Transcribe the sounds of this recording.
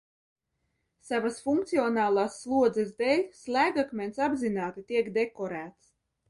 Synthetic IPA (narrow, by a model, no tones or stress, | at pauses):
savasfuŋk̚t̪siɔnaːlˠaːsːlˠuɔd̪zɛsd̪ɛːlʲslʲˠæːɡakmʲɛnt̪sabzinaːt̪it̪iɛkd̪ekɔɾæːt̪s